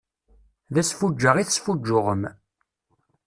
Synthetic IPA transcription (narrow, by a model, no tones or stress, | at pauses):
ðæsfud͡ʒːəʁiθəsfud͡ʒːʊʁəm